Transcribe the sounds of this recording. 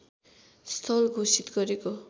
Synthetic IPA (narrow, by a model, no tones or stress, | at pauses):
st̪ʰʌlɡʱosit̪ɡʌɾeko